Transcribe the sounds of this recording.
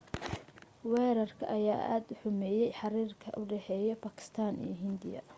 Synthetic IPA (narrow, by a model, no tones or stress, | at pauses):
wɛːɾɐrkʰɐ̰ʔɐjaːʔa̰ːd̪ʊħʊmɛːjɛjħɑɾiːrkʰɐ̰ʔʊɖɛħɛːjɔbaːkʰɪ̥st̪ʰaːnḭːɦɪnd̪ɪjɐ̰